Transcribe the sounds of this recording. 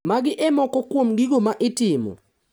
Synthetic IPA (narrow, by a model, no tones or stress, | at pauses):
maɡɪʔɛmɔkɔkwomɡiɡomaʔɪtɪmɔ̰